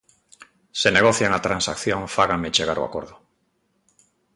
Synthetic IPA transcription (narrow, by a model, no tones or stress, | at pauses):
sene̞ɣ̞oθjaeŋat̪ɾansakθjõ̞ŋfaɣamet͡ʃeɣ̞aɾo̰a̰ko̞ɾðo